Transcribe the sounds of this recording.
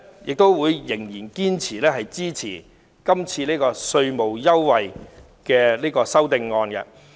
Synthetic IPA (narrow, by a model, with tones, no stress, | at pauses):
jɪ˨k̚t̪o˥wwuː˨˧jjɪ˨˩ŋjiː˨˩nkiː˥nt͡sʰiː˨˩lɛː˥ɦɐ˨jt͡siː˥t͡sʰiː˨˩ | kɐ˥mt͡sʰiː˧liː˥kɔː˧sɵ˧ɥmo˨wjɐ˥wːɐ˨j | kɛː˧liː˥kɔː˧sɐ˥wt̪ɪ˧ŋːɔː˧nkɛ̰˧